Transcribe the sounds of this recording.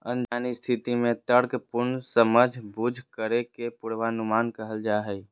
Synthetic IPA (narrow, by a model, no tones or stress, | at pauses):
ənd͡ʒaːnist̪ʰit̪imẽt̪əɽkpʊɾnsəməd͡ʒʱbud͡ʒʱkəɾekepuɽʋanʊmaːnkəɦəld͡ʒaɦəj